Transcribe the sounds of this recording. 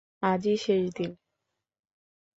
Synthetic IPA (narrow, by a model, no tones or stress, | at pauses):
ad͡ʑiʃejd̪in